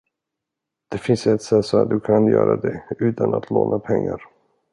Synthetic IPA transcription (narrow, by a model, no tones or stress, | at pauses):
d̪̥ɛfɪnsɛt̪sɛt̪sɔat̪̚d̪ɵkʰanjœ̰ːɾad̪ɛʉ̟ːt̪anat̪ʰloːnʔapʰɛŋːaɾ